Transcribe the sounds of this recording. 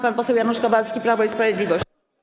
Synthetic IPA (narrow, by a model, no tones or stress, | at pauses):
panpɔsɛwjanuʂkavalskʲipɾavɔispɾavʲjed̪lʲivɔɕ